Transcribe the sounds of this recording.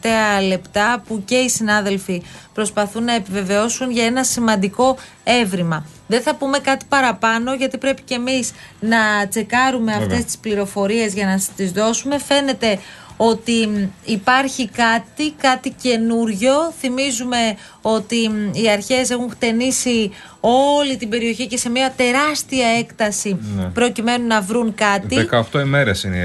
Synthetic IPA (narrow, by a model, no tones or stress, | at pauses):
ft̪e̞ɐle̞pt̪ɐpuce̞isinɐðe̞lfipɾo̞spɐθunːɐe̞pive̞ve̞o̞sunʝɐe̞nɐsimɐnd̪iko̞ | e̞vɾimɐ | ðe̞θɐpume̞kɐt̪i̥pɐɾɐpɐno̞ʝɐt̪ipɾe̞pi̥cemiznɐt͡se̞kɐɾume̞ɐft̪e̞st̪i̥spliɾo̞fo̞ɾie̞zʝɐnɐt̪izðo̞sume̞fe̞ne̞t̪e̞o̞t̪iːpɐɾçikɐt̪ikɐt̪ice̞nuɾʝo̞θimizume̞ | o̞t̪iːɐɾçe̞s̬e̞xuŋxt̪e̞nisi | o̞lit̪ibe̞ɾio̞çice̞se̞miɐt̪e̞ɾɐst̪iɐe̞kt̪ɐsipɾo̞cime̞nunɐvɾuŋkɐt̪ikɐft̪oime̞ɾesin